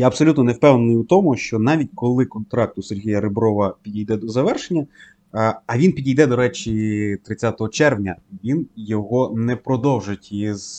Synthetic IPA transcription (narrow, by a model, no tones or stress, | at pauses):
jaɐbsɔlʲut̪nɔnewpɛwnenɪjut̪ɔmʊʃt͡ʃɔnɑʋʲitʲkɔlˠɪkɔnt̪ɾɑk̚t̪ʊserɦʲijɐɾɪbɾɔʋɐpʲidʲijd̪ɛd̪ɔzɐʋɛrʃenʲːɐ | ɐʋʲinpʲidʲijd̪ɛd̪ɔɾɛt͡ʃʲit̪ɾɪt͡sʲːat̪ɔɦɔt͡ʃɛrʋnʲɐʋʲinjɔɦɔnɛpɾɔd̪ɔwʒɪtʲiz